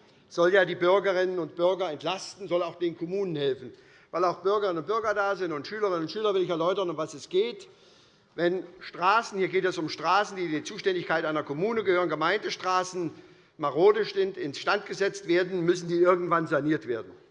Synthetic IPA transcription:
z̥ɔljaːdiːbʏɐɡəʁɪnənʊnt̚b̥ʏɐɡɐɛntʰlastn̩zɔlaʊxd̥eːnkʰɔmuːnənhɛlfn̩ | vaɪlaʊxb̥ʏɐɡəʁɪnʊnt̚b̥ʏɐɡɐdaːzɪntʊntʃyːləʁɪnənʊntʃyːlɐvɪlɪçɛɐlɔʏtɐnʊmvasɛsɡ̥eːt | vɛnʃtʁ̥aːsn̩hiːɐɡeːtɛsʊmʃtʁ̥aːsn̩diːdiːɐt͡suːʃtɛndɪçkaɪtʔaɪnɐkʰɔmuːnəɡəhøːʁənɡəmaɪndəʃtʁ̥aːsn̩ | maʁoːdɪʃzɪntɪnsʃtantɡ̥əzɛt͡stv̥eːɐdn̩mʏsn̩diːɪɐɡŋ̩tv̥anzaniːɐtv̥eːɐdn̩

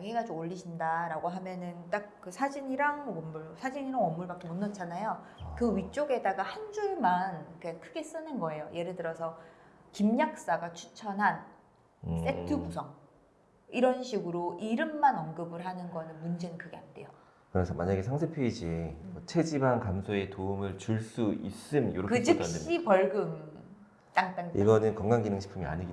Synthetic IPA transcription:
t͡ɕaɡiɦeɡad͡ʑoɡoʎːiɕʰindaɾaɡoɦamjʌnɯnt͈ak̚k͈ɯsʰad͡ʑiɲiɾaŋʌmːuɭsʰad͡ʑiɲiɾaŋwʌmːuɭbak͈ʰemʌnːʌt͡ɕʰanajokɯɥit͡ɕ͈oɡe̞daɡahand͡ʑuɭmankɯɲaŋkʰɯɡe̞s͈ɯnɯnɡʌe̞joje̞ɾɯɭdɯɾʌsʰʌ | kimɲak̚s͈aɡat͡ɕʰut͡ɕʰʌnɦan | s͈e̞tʰɯbusʰʌŋ | iɾʌnɕʰiɡɯɾoʔiɾɯmːanʌnɡɯbɯɭɦanɯnɡʌnɯnmund͡ʑe̞nɯnkɯɡe̞ande̞̰jo | kɯɾesʰʌmaɲaɡe̞sʰaŋsʰepʰjeid͡ʑiemʌt͡ɕʰe̞d͡ʑibankamsʰoe̞toumɯɭt͡ɕuɭs͈uḭs͈ɯmjo̰ɾʌkɯt͡ɕianɕdeipʌɭɡɯm | t͈aŋt͈aŋdiɡʌnɯnkʌŋɡaŋɡinɯŋɕʰi̥pʰɯmia̰ɲiɡi

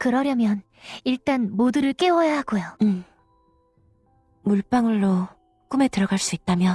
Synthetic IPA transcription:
kɯɾʌɾjʌmjʌn | iɭt͈anmoduɾɯɭk͈e̞wʌjaɦaɡojoɯ | muɭp͈aŋɯɭːo | k͈ume̞tɯɾʌɡaɭs͈uit̚t͈amjʌ

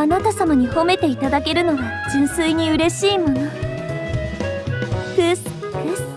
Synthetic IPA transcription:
anat̪asamaɲ̟iho̞me̞t̪e̞it̪ad̪ake̞ɾɯ̟no̞βa | d͡ʑĩɰ̃sɨiɲ̟iɯ̟ɾe̞ɕiːmo̞no | kɯs | s

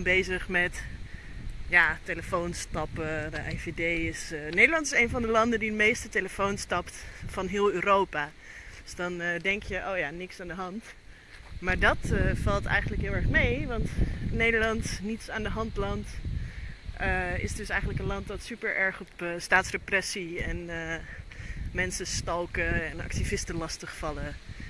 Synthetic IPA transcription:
mbejzəχmɛt | jaːteləfownstɑpədəʔɛjvedejɪsnejdəɹlɑntɪsejnvɑndəlɑndəndidəmejstəteləfownstɑptfɑnɦɪːlˠyːɾowpa | d̥øsdɑndɛŋkjəʔowjaːnɪksaːndəɦɑnt | maːɹdɑtəfɑlˠtɛ̰jχəndələkɦɪlˠɛɹχmejʋɑntnejdəɹlɑntnitsaːndəɦɑntlɑnt | əɪ̰sdɵsɛjχən̩ləkənlɑntdɑtsypəɹʔɛɹχɔpəstaːtsreprɛsiɛn | mɛnsəstɑlˠkəɛnɑ̰k̚tivɪstəlɑstəχfɑlə

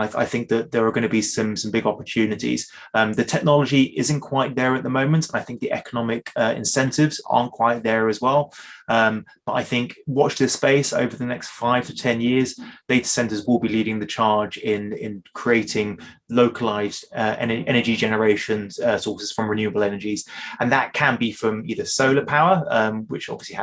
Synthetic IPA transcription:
aɪa̰ɪθɪ̃ŋk̚ðəʔ̪̚ðəɹəɡʌnəbisʌ̃msʌ̃mbɪɡɒpət͡ʃʰʉːnɪtḭz̥ | ʌ̃mðɨtʰɛk̚nɒləd͡ʒiʔɪzə̃nkʰw̥aɪt̪̚ðəɹəʔ̪̚ðəmə̃ʊ̃mə̃ntʰə̃naɪθɪ̃ŋk̚ðiʔɛ̰kənɒmɪkʌɪ̰̃nsɛ̃ntɪvz̥ɑ̰ːˑnkʰw̥aɪʔ̪̚ðəɹəzwɛlˠʌ̃mb̥ʌta̰ɪθɪ̃ŋkwɒt͡ʃðɪspeɪsə̰ʊvəðənɛkstfaɪv̥tʰə̥tʰɛ̃njɪəzd̥eɪtə̥sɛ̃ntəzwɪlˠbiliːɾɪ̃ŋðət͡ʃʰɑːd͡ʒɪ̃nɪ̰̃nkʰɹ̥ieɪtʰɪ̃ŋ | ləʊkʰəlaɪzdʌʔɛ̰nəʔɛñəd͡ʒid͡ʒɛnəɹeɪʃə̃nʌsɔˑsɪz̥fɹə̃mɹɪnjʉəbəlˠɛnəd͡ʒiz̥ə̃nðəʔ̚kʰə̃nbifɹə̃miðəsəʊləpʰaʊəʌ̃mwɪt͡ʃɒ̰bviəsliə

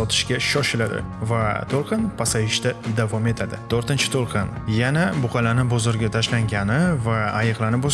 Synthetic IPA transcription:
ɒt̪ʰɪ̥ʃkʲaʃɒʃɪlad̪ɪ̰ | vat̪ʰolˠqʰɨnpʰasajɪʃt̪ad̪avɒme̞t̪ʰad̪ɪ̰t̪ʰoɾt̪ɪnt͡ʃʰɪ̥t̪ʰolˠqʰɨnjanabʊqʰɑlanɪbʊzʊɾɡʲat̪ʰaʃlaŋɡʲanɪvaːjɨqlˠanɪpo

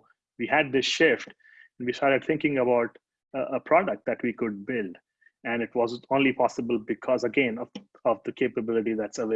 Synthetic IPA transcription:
ʋihæɖ̚d̪ɪsʃɪfʈ | ɛ̃nʋistaːʈɨɖ̚t̪ʰɪ̃ŋkɪ̃ŋəbaʊʈ | əpʰɾɔɖək̚ʈ̚d̪æʈʋiːkʊɖ̚bɪlɖ | ɛ̃nɪʈʋɔːzõːnlipʰɔsəbəlbɪkʰɔzəɡẽnɔ | ɔvd̪əkʰeːpəbɪlɪʈid̪æʈsəʋe

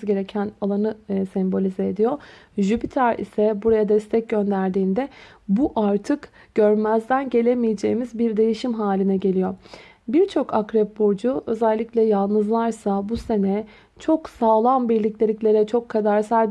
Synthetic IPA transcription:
zɟe̞ɾecʰænalˠanɯsɛmbo̞lʲizɛːd̪ijo̞ | ʒypʰit̪ʰaɾḭsɛbuɾajad̪ɛst̪ʰɛc̚ɟø̞nd̪æɾd̪iːnd̪ɛbuʔaɾt̪ʰɯk | ɟ̥ø̞ɾmæzd̪ænɟe̞lʲemijed͡ʒe̞jimizbiɾd̪e̞jiʃimɦaːlʲinɛɟe̞lʲijo̞ | biɾt͡ʃʰo̞kʰakɾɛp̚bod͡ʒuø̞zælʲːiclʲɛjalˠnɯzlˠaɾsabuse̞nɛ | t͡ʃʰo̞ksaːlˠanbiɾlʲiclʲelʲiclʲe̞ɾɛt͡ʃʰo̞kʰːad̪aɾsælʲ

